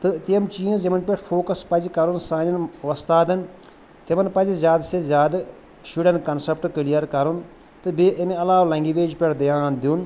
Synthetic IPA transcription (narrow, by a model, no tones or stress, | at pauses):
t̪ɨt̪iɐmt͡ʃiːɐ̃zɐmɐnpʲeʈfʰoːkɐspɐd͡ʒikɐɾunsãːnɐnʋɐst̪aːd̪ɐn | t̪emɐnpɐd͡ʒizʲjaːd̪sezjaːd̪ | ʃiːɖɐnkɐnsɐp̚ʈkɨlijɐɾkɐɾun | t̪ɨbeʔɐmẽɐlaːʋlɐ̃ŋɡiʋeːd͡ʒpʲeʈd̪ɐjaːnd̪iun